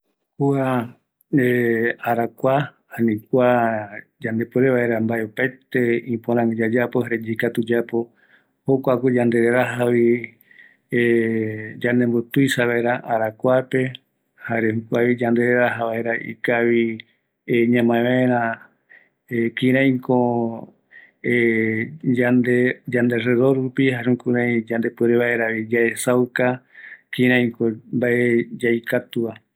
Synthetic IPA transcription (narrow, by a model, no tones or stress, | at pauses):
kua | eaɾakʷahanĩkʷa | d͡ʒand̪e̞poɾeβaeɾambaeupajt̪e̞ĩpoɾ̃ãŋɡed͡ʒad͡ʒapohaɾed͡ʒikat̪ud͡ʒapo̞ | hokʷakud͡ʒand̪e̞ɾeɾaɦaβi | e | d͡ʒanẽmbot̪ujsaβaeɾaʔaɾakʷape̞ | haɾehukʷaβid͡ʒand̪eeɾaɦaβaeɾaʔḭkaβi | eɲãmãẽβãẽɾ̃ã | ekĩɾ̃ãj̃ko | e | and̪ed͡ʒand̪e̞reðoɾupihaɾũkuɾãj̃d͡ʒand̪e̞peɾeβaeɾaβid͡ʒaesawkakĩɾ̃ãj̃kombaʔed͡ʒajkat̪uβa